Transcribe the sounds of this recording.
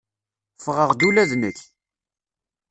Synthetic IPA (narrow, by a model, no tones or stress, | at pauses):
fʁəʁd̪ulæðnəç